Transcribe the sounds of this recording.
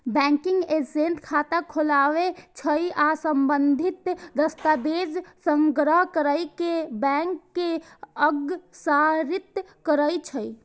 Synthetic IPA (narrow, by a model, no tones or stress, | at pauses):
bɛ̃ŋkiŋɡesent̪kʰat̪akʰolaʋet͡ʃʰəjasəmbənd̪ʱit̪d̪əst̪abed͡ʒsəŋɡɾəɦkəɾəjkebɛŋkːeəɡsaɾit̪ | kəɾəjt͡ʃʰəj